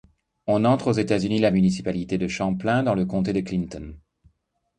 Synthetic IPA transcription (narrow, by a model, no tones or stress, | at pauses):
ɔ̃nɑ̃t̪χozet̪azynilamynis̬i̥palit̪ed̪əʃɑ̃plɛ̃d̪ɑ̃ləkɔ̃t̪ed̪əklint̪ɔn